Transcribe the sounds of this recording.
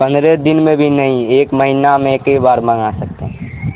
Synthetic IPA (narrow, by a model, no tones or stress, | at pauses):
pə̃nd̪ɾed̪ɪnmẽbʱinəɦĩeːkməɦinamẽkəibaːɾməŋasək̚t̪ḛɦɛ